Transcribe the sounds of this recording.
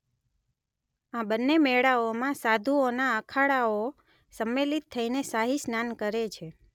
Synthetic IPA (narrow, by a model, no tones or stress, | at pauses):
ãbənːemɛɽaomãsad̪ʱuonaəkʰaɭao | səmːelit̪ʰːəinesaɦisnankəɾet͡ʃʰe